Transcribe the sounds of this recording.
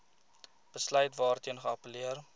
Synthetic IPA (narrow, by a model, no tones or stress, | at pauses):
b̥əslœɥtvɑːrtiənχəɐpəliər